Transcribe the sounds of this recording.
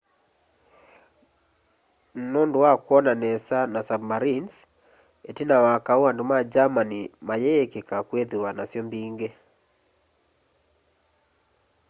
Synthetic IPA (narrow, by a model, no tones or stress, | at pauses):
nɔnduwakwɔnanɛsanasabmaɾins | etinawakauwandomad͡ʒamanimajɛɛkekakweðiwanasjɔmbiŋɡe